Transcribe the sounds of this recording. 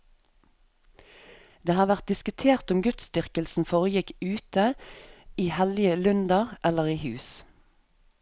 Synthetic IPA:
d̪eːhɑːʋæʁt̪̚d̪ɪskʉt̪ʰeːʁt̪ʊmɡʉt̪sst̪ʏʁkəlsn̩foːʁəjɪkʉːt̪ə | iːhɛlɪəlʉnd̪ɑʁʔɛləʁiːhʉːs

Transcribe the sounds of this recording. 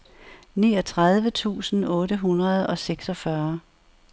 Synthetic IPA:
niːɒ̽t͡sʰʁað̞ˠʋət͡sʰṵːsn̩ɔ̽ːɾəɦunʁɐð̞ˠɒ̽seɡ̥sɒ̽fɶɐ

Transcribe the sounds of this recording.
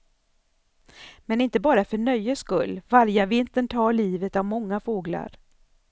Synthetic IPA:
mɛnɪnt̪əbɑːɾafœɳœjːəskɵlːvaɾjəvɪnt̪əɳt̪ʰɑːɭiːvət̪avmɔŋːafoːɡla̰ɾ

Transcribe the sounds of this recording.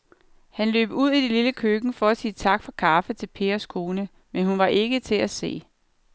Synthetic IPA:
hænlø̰ːb̥əuð̰ˠid̥eliləkʰøɡ̥n̩fɒ̽æsiːət͡sʰɑ̈ɡ̥fɒ̽kʰɑ̈ːfət͡sʰe̝lpʰe̝̰ːɐskʰo̝ːnə | menhunʋɑ̈ʔe̝ɡ̥ət͡sʰe̝læse̝̰ː

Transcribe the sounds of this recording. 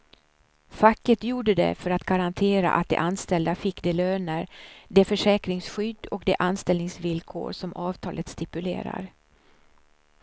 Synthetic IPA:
fakːət̪juːɖəd̪ɛ̰fœɾat̪ɡaɾant̪ʰeːɾa̰ʔa̰t̪̚d̪ɛ̰ʔanst̪ɛld̪afɪkːd̪ɛløːnəɾd̪ɛfœʂɛːkɾɪŋsɧʏd̪ːɔkd̪ɛʔanst̪ɛlnɪŋsvɪlkʰo̰ːɾʂɔmʔɑːvt̪ʰɑːlət̪st̪ɪpɵlḛːɾa̰ɾ

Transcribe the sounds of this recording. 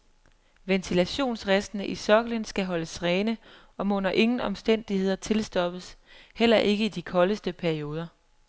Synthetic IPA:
ʋent͡sʰilæɕo̝̰ːnsʁasd̥nəʔisɒ̽ɡ̥ələnsɡ̥æɦɒ̽ləsʁɛːnə | ɒ̽mɔnɐʔe̝ŋn̩ɒ̽msd̥en̰d̥ihe̝ð̞̰ˠɐt͡sʰe̝lsd̥ɒ̽b̥əshel̰ɐʔe̝ɡ̥əid̥ikʰɒ̽ləsd̥əpʰæɐio̝ːð̞ˠɐ

